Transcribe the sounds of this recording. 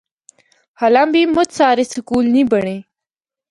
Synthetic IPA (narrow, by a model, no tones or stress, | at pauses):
hɐlambimʊt̪t͡saːɾisɪkuːlnibəɳe